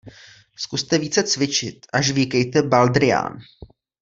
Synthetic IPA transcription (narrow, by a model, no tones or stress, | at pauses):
skust̪ɛviːt͡sɛt͡svɪt͡ʃɪt̪ʔaʃviːkɛjt̪ɛbald̪ɾɪja̰ːn